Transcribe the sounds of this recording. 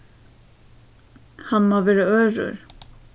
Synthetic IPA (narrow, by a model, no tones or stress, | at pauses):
hɑnmoːʋeːɾəøːɹʊ̰ɹ